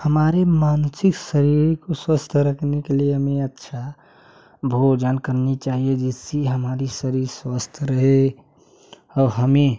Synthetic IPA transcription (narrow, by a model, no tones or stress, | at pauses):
həmaːɾemaːnsɪksəɾiɾkoswəst̪ʰɾəkʰnekelieɦəmeətːʃʰa | bʱod͡ʒankəɾnit͡ʃaːɦied͡ʒɛsiɦəmaːɾisəɾiɾswast̪ʰɾəɦe | ɔːɾɦəme